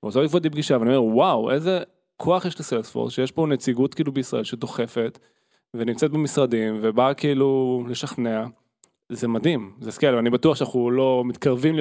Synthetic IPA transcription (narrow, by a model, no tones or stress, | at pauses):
ozoivodibɡiʃaveaniomewaweze | kʰo̞aχjeʃleselsfo̰ʁsʃejeʃbo̞net͡siɡutkiːlubeisʁa̰ʔe̞lʃed̪o̞χe̞fe̞t | venimt͡set̪̚bemisʁadimvebakiiːlule̞ʃaχnea | zemad̪imzeskelvanibatuaχʃeanaχulo̞mit̪kaʁvimli